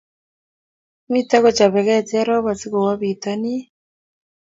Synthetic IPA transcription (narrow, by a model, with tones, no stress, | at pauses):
mi˦ta˦ɣɔ˨t͡ʃa˨βɛ˨ɣɛ˦˨ta˦ɾɔ˦βa˨t͡si˦ɣɔ˨wa˦βi˨ta˦ni˦